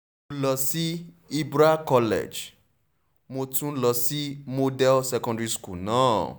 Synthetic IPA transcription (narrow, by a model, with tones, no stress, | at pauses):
mo˧lɔ˧si˦ | i˦bɾa˦kɔ˧lɛ̰˨d͡ʒ | mo˧tũ˦lɔ˧si˦mo˧dɛ˦sɛ˧kɔ̃˧ndɾi˧skṵ˦˨nã̰ː˨˦